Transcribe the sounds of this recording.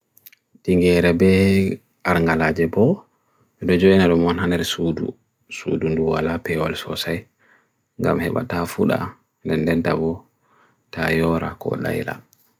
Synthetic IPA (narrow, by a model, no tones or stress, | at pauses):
tiŋɡɛɾɛbɛ | ʔaɾŋɡalaːd͡ʒɛbɔ | ɛɗɔd͡ʒoʔinaɗɔmɔnhandɛɾsuːdṵ | sṵdunduwa̰lapɛwa̰lsɔsaj | ŋɡa̰mhɛ̰ɓa̰tafuɗa̰ | ndɛndɛnta̰bɔ | tʰajɔɾa̰kɔ̰ɗa̰jla̰